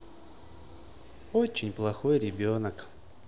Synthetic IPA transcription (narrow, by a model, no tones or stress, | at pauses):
ot͡ɕːɪnʲplˠɐxojɾʲɪbʲonək